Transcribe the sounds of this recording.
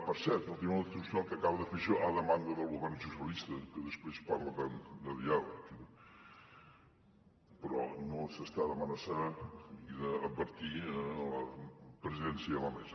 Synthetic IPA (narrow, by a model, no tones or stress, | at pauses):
pəɾsɛɾt̪ulˠt̪imt̪usalˠkəkaβəðəfeʃɔʔaðəmand̪əðəlˠɣuβɛrnʒusəlist̪əkəðəspɾespaɾləðəd̪əðialə̰k | pəɾɔnosəst̪aðəmənəsaiðəːb̪̚bəɾt̪iələpɾəziðɛnsjəðələmɛ̰zə